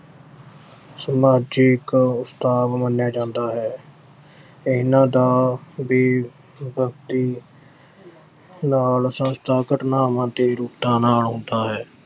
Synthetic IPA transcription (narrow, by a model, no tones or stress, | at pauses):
smaːd͡ʒɪkʊst̪aːʋmənjaːd͡ʒãːnd̪aːɦɛː | ɪnãːd̪aːbeː | bʱəkt̪iː | naːlsə̃st̪ʰaːkəʈnaːmãːt̪eːɾʊːkt̪ãːnaːlɦõːnd̪aːɦɛː